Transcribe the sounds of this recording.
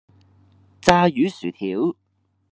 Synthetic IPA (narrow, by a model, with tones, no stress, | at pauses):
t͡saː˧jyː˨˥syː˨˩t̪ʰiː˨˥w